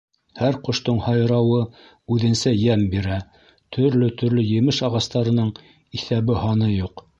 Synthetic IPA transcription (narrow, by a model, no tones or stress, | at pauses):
hæɾqŏʃt̪oɴhɑjɾɑwɤ | ʉðɘ̆nsæjæmbiɾæ | t̪ʰɵ̆ɾlɵt̪ɵ̆ɾlɵjɘ̆mɘʃɑʁɑst̪ɑɾɤ̆nɤɴ | iθæβɘhɑnɤjuq